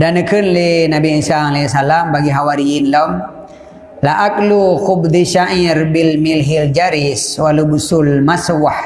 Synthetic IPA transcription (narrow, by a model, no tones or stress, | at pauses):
danəkɨnlinabiisaalɛsalambaɡiɦawaɾiinlɔm | laʔak̚ʼluxubd̪iʃaʔiɾbilmilɦild͡ʒaɾiswalubusulmaswah